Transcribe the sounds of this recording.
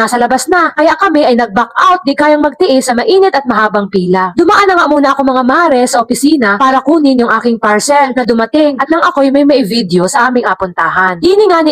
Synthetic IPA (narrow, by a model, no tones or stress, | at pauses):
asɐlɐbasnakɐjaʔkɐmɛʔɐjnɐɡ̚bakʔawt̪̚d̪ikaːjɐŋmɐɡ̚t̪ɪʔɪsɐmɐʔiːnɪt̪ɐt̪̚mɐɦaːbɐŋpiːlɐd̪ʊmɐʔanːɐŋaʔmuːnɐʔɐkomɐŋamaːɾɛsɐʔopɪsiːnɐpaːɾɐkuːnɪnjʊŋʔaːkɪŋpaɹsɛlnɐd̪ʊmɐt̪ɪŋʔɐt̪̚lɐŋʔɐko̞jʊŋmɐjmɐʔɪvid̪josɐʔaːmɪŋʔɐpʊnt̪aːɦɐnd̪iːnɪŋaːnɪ